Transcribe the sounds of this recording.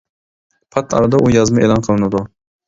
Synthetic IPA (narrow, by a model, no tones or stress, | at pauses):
pʰat̪ɑ̰ɾad̪aʔujɑzmɪʔelˠɑnqʰəlˠɨnɪd̪ʊ